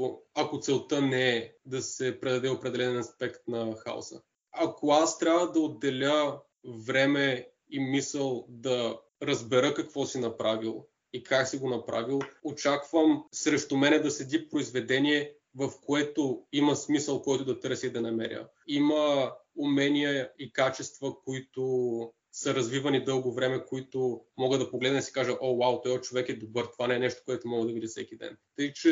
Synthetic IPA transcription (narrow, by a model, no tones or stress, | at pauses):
ɐkot̪sɛlˠt̪ənɛɛd̪ɐsɛpɾɛd̪ɐd̪ɛopɾɛd̪ɛlɛnɛnɐspɛkt̪nɐxa̰o̰sə̰ | ɐkoast̪ɾʲjabvəd̪ɐod̪ːɛlʲə | vɾɛmɛ | imisəlˠd̪ɐ | ɾəzbɛɾəkɐkvɔsinɐpɾavilˠ | ikʰaksiɡonɐpɾa̰vilˠot͡ʃakvəmsɾɛʃt̪ʊmɛnɛd̪ɐsɛd̪ʲipɾoizvɛd̪ɛnʲiɛ | vɐfkoɛt̪oimɐsmisəlˠkɔjt̪ʊd̪ɐt̪ɤɾsʲiid̪ɐnɐmɛ̰ɾʲjə̰ | imɐʊmɛnʲijəikat͡ʃɛst̪vəkoit̪ʊ | səɾɐzvivɐnid̪ɤlˠɡovɾɛmɛkoit̪ʊmɔɡəd̪ɐpoɡlɛd̪nəd̪isi̥kaʒəʔɔwawt̪ɔjot̪̚t͡ʃovɛkɛd̪obɤɾt̪ovanɛːnɛʃt̪o̥koɛt̪omɔɡəd̪ɐvid̪ʲisɛ̰kid̪ɛ̰nt̪əit͡ʃɛ